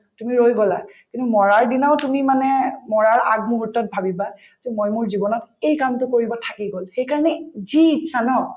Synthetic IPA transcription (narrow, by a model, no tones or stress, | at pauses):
tumiɹojɡɔla̰kintumɔɹaɹdinaʊtumimanɛmɔɹaɹa̰ɡ̚muɦutːɔt̚bʱabiba | zomojmʊɹzibɔnɔtejkamtʊkoɹibɔtʰakiɡolxejkaɹɔnɛzitsanɔ